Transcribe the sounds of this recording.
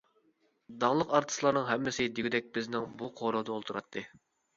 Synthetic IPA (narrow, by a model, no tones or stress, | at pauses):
d̪ɑŋlˠəqɑɾt̪ʰɨ̥slˠɑɾnɨŋɦɛmːɪsɪd̪iɡʲid̪ɛk̚ʲbɪznɪŋbuqʰoɾod̪ɑolˠt̪ʰuɾɑ̰t̪ʰːɨ